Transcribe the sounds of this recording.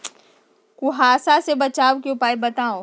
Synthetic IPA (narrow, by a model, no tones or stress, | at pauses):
kʊɦaːsasebɐt͡ʃaːʋkeʊpaːibɐt̪aːõː